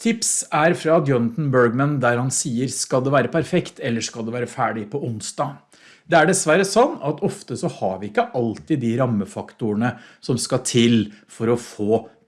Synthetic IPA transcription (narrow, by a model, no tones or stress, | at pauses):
t̪ʰɪpsæɾfɾɑd̪jɔnɑt̪n̩bœɹɡmənd̪æɾhɑnsiːəɾskɑld̪ɛʋæːɾəpʰæɾfɛkt̪ɛlːəʂkɑld̪ɛʋæːɾəfæːɖɪpʰɔʊnsd̪ɑː | d̪ɛæɖɛsʋæɾəsɔnːɑt̪ɔft̪əsɔhɑɾʋɪɪkːəʔɑlt̪ɪd̪ɪɾɑmːəfɑkt̪ʊəɳəsɔmskɑt̪ʰɪlfɔɾɔfoː